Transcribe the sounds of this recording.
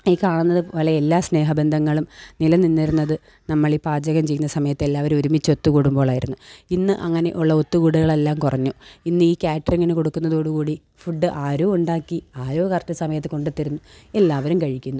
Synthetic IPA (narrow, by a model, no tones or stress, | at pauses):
ikkaːɳunːɐðɨʋɐlɐjelːaːsne̞ːɦɐbe̞nd̪ʱɐŋːɐɭumnilɐninːiɾunːɐðɨ | nɐmːɐɭipaːd͡ʑɐɣɐmt͡ɕe̞jːunːɐsɐmɐjɐt̪ːe̞lːaːʋɐɾumoɾumit͡ɕːo̞t̪ːukuːɽumbo̞ːɭaːjiɾunːuinːɨʔɐŋːɐne̞̰ʔuɭːɐo̞t̪ːukuːɽuɣɐɭe̞lːaːmkurɐɲːuinːɨiːkʲaːʈːriŋːɐneko̞ɽukːunːɐðo̞ːɽukuːɽi | fuɖːɨʔaːɾoːuɳɖaːkːiaːɾoːkɐrtːɨsɐmɐjɐt̪̬ːɨko̞ɳɖut̪ːiɾunːue̞lːaːʋɐɾumkɐɻikʲːunːu